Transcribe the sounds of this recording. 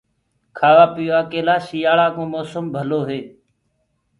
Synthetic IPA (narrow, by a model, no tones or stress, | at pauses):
kʰaːʋaːpɪjoaːkeːlaːʃiːjaːɭaːkõːmoːsəmbʱəloːɦeː